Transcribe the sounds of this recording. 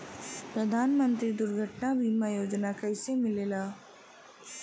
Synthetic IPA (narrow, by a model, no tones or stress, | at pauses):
pɾəd̪ʱaːnmə̃nt̪ɾid̪ʊɾɡʱəʈnabʱimajoːd͡ʒnakɛɪsemɪleːlaː